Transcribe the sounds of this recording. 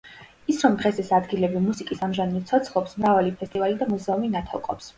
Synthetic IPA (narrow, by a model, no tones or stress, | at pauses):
isɾɔmd̪ʁɛsɛsad̪ɡilɛbimusikʼisamʒanilˠt̪sʰɔt̪sʰχlˠɔpsmɾavalipʰɛst̪ʼivalid̪amuzɛuminat̪ʰɔ̰lˠqʼɔ̰ps